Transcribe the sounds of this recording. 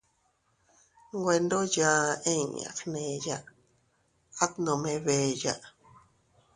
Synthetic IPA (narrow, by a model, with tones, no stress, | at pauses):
ŋɡʷe˧nd̪o˦jã˧ẽ˦˨a̰˨xnẽ˧ja˧ʔ | a˦t̪nõ˨mẽ˧βe˧˨ja˧ʔ